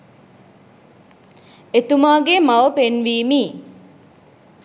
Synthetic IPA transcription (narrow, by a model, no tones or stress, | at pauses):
et̪umaːɡemaʋəpenʋiːmi